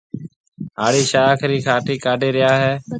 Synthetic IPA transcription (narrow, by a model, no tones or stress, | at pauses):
ɦaːɽiːʃaːkʰɾiːkʰaːʈiːkaːɖʱeːɾɪjaːɦɛː